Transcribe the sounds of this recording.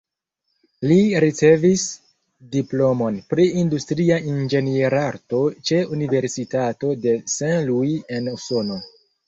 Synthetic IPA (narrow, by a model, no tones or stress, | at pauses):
liɾit͡se̞vis | diplo̞mo̞npɾiindustɾiaind͡ʒe̞nieɾaɾto̞t͡ʃe̞unive̞ɾsitato̞de̞senluje̞nuso̞no̞